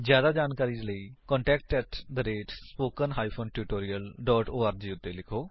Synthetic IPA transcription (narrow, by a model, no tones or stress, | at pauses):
zjaːd̪aːd͡ʒaːnkaːɾiːd͡ʒləikɔ̃ːɳʈɛːk̚ʈɛːʈd̪əɾeːʈspoːkənɦaːipʰoːnʈjuːʈoːɾiːəlɖɔːʈoːaːɾd͡ʒiːʊt̪ːeːlɪkʰoː